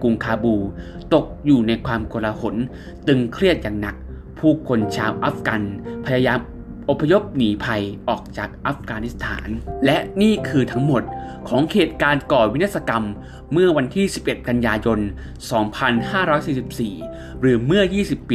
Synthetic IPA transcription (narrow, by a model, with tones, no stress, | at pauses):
ku˧ŋkʰaː˧buː˧ | t̪o˨˩k̚juː˨˩na˧jkʰwaː˧mko˧la˧ho˩˦n | t̪ɯ˧ŋkʰɾi˥˩ət̪̚jaː˨˩ŋna˨˩k̚ | pʰuː˥˩kʰo˧nt͡ɕʰaː˧wʔa˦˥f̚ka˧npʰa˧jaː˧jaː˧m | ʔo˨˩pʰːa˧jo˦˥p̚niː˩˦pʰa˧jʔɔː˨˩k̚t͡ɕaː˨˩k̚ʔa˦˥f̚kaː˧ni˦˥st̪ʰa̰ː˩˦nlɛ˦˥ʔniː˥˩kʰɯː˧t̪ʰa˦˥ŋmo˨˩t̪̚kʰɔː˩˦ŋkʰeː˨˩t̪̚kaː˧nkɔː˨˩wi˦˥a˥t̪̚sa˧ka˧mː | ɯ˥˩ɐwa˧nt̪ʰiː˥˩si˨˩p̚ʔe˨˩t̪̚ka˧njaː˧jo˧n | sɔː˩˦ŋpʰa˧nhaː˥˩ɾɔː˦˥jsiː˨˩si˨˩p̚siː˨˩ | ɾɯː˩˦mɯ˥˩ɐjiː˥˩si˨˩pː